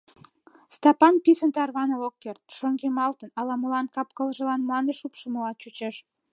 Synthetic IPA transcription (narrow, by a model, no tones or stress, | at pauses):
st̪ɑpɑnpisənt̪ɑrβɑnəlokːert̪ʃoŋɡemɑlt̪ənɑlɑmulɑnkɑp̚kəlʒə̆lɑnmlɑnd̪eʃupʃəməlɑt͡ɕut͡ɕeʃ